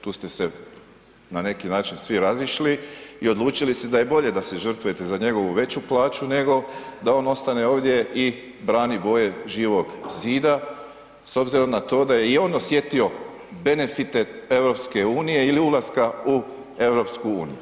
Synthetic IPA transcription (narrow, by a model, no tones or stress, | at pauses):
t̪uːst̪e̞se | nane̞kinaːt͡ʃinsʋiɾaziʃliio̞d̪lˠuːt͡ʃilist̪ed̪aje̞bo̞ʎe̞d̪ase̞ʒər̩t̪ʋojet̪e̞zaɲe̞ɡo̞ʋuʋe̞t͡ɕuplˠaːt͡ɕune̞ɡo̞d̪ao̞ːno̞st̪ane̞o̞ːʋd̪ʲje̞i | bɾaːnibo̞je̞ʒiːʋo̞ɡziːd̪a | so̞bziɾo̞mnat̪o̞ːd̪aje̞io̞ːnosje̞t̪io̞ | be̞ne̞fit̪ee̞ʋɾo̞pske̞uːnije̞iliulˠaskau | e̞ʋɾo̞pskuṵːnḭju